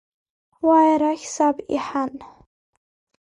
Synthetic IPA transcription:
wajɾaxʲsabḭħan

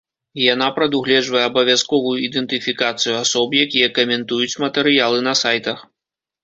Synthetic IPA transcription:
jan̪apɾɐd̪uɣlʲɛd͡ʐvɐjɛːbɐvʲjaskɔvujuid̪ɛnt̪ɨfʲikat̪sɨjuasɔbjakʲijɐkɐmʲɛnt̪ujut͡sʲmɐt̪ɛɾɨjalˠɨnɐsajt̪ɐx

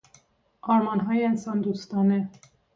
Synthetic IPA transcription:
ɑɾmɑnɦɑjɛɛnsɑnd̪ust̪ɑnɛ

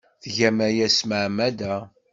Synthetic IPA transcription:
θʝæmæjæsməʕmæd̪æ

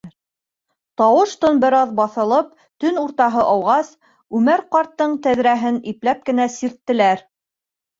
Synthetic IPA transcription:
t̪ɑwɤʃt̪onbɘ̆ɾɑðbɑθɤ̆lˠɤp̚ | t̪ɵnuɾt̪ɑɦɤʔɑwʁɑs | ʉmæɾqɑɾt̪ːɤɴt̪æðɾæɦɘniplæp̚kɘ̆næsiɾt̪ːɘ̆læɾ

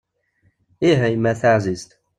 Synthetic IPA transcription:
iɦæjmæθaʕzizt̪

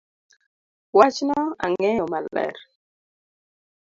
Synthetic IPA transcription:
wat͡ʃnɔa̰ŋɛomalːɛ̰ɾ

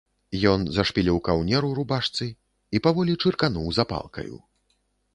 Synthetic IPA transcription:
jɔnzɐʂpʲilʲiwkawnʲɛɾuɾubaʂt̪sɨ | ipavɔlʲit͡ʂɨrkanuwzapa̰lˠkɐ̰jṵ

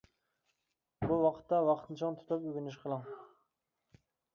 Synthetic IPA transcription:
buwɑqʰə̥t̪ːɑwɑqʰt̪ʰɨnt͡ʃʰɑŋt̪ʰu̥t̪ʰɑpyɡʲynyʃ̬qʰəlˠɑŋ

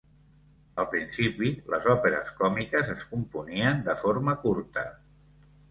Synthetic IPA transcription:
əlˠpɾinsipiləzɔpeɾə̰skɔmikəzəskumpuniənd̪əfoɾməkuɾt̪ə̰

